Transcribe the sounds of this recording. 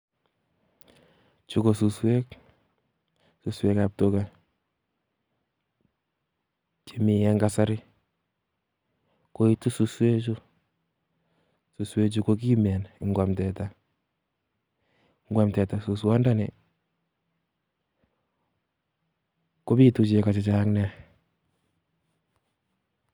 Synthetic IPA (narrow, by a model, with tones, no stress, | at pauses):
t͡ʃu˦ko˨su˨swe˦k | su˨swe˦kap̚to˦ka˨ | t͡ʃi˨mi˨jɛ˦ŋɡasa˦ɾɪ˦ | ko˦i˦tu˦su˨swe˦t͡ʃu˦ | su˨swe˦t͡ʃ̬u˦ko˦k̬i˦mɛ˨nɪ˨ŋɡwa˨mtɛta˨ | ŋɡwa˦mtɛ˨ta˨suswɔ˦nda˦nɛ˨ | ko˦bi˦tu˨t͡ʃeka˨t͡ʃi˨t͡ʃaŋnɛ˦